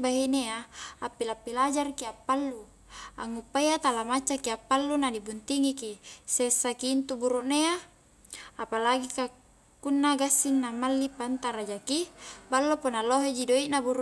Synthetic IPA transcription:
baɦineaːpːilapːilad͡ʒarkiapːalːu | a̰ŋːupːajat̪alamat͡ʃːakiapːalːunadibunt̪iŋikisesːakiːnt̪ubuɾuʔnea | apalaɡika | kːunːaɡasːinːamalːipant̪aɾad͡ʒakibalːoponaloɦed͡ʒidoiʔnabuɾu

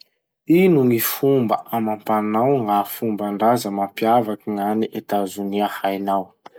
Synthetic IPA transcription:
inuŋifumbə̰ʔamampanawŋafumbaɳɖ͡ʐazəmampiavakiŋaniʔet̪azuniahajnaw

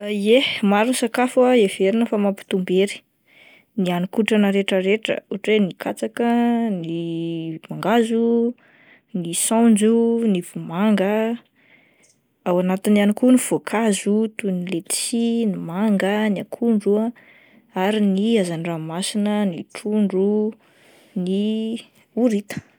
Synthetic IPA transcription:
ehmaɾunsakafuaeveɾinəfamapi̥t̪umbeɾi̥ | nianikuʈ͡ʂanəɾeʈ͡ʂəɾeʈ͡ʂə̰uʈ͡ʂwenikʰat͡sakənimaŋɡazu | nisãnd͡ʒuniv̥umaŋɡə | awanat̪inanikuniv̥okʰazut̪unilet̪i̥sinimaŋɡəniakʰuɳɖ͡ʐuə | aɾiniazaniramasinəniʈ͡ʂuɳɖ͡ʐu | ni | uɾit̪ə̥

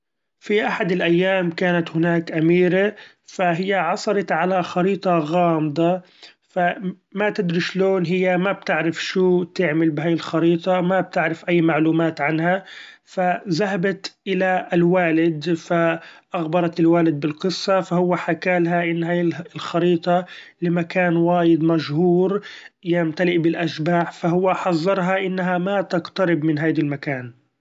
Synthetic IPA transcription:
fiʔaħad̪ɪlʔajːaːmkaːnat̪hɪnaːkʔamiːɾa | faɦɪjːaʕɑsˤɑɾˤɑt̪ʕalaxɑɾiːt̪ˤɑɣɑːmd̪ˤɑ | fa | mat̪ɪd̪ɾiʃloːnɦɪjːamab̚t̪ɪʕɾɪfʃuːt̪ɪʕmɪlbɦaːjɪlxɑɾiːt̪ˤɑmab̚t̪ɪʕɾɪfʔajːmaʕluːmaːt̪ʕanhafazaɦabat̪ʔɪlalwaːlɪd̪faʔaɣbɑɾˤɑt̪ɪlwaːlɪd̪̚bɪlqɨsˤːɑfahʊwːaħakaːlɦaʔɪnːhajlxɑɾiːt̪ˤɑlɪmakaːnwaːjɪd̪maʃhuːɾ | jɪmt̪alɪʔbɪlʔaʃbaːʕfaɦʊwːaħɑzˤːɑɾˤɦɑʔɪnːɦamat̪aqt̪ɑɾɪbmɪnɦaːd̪almakaːn

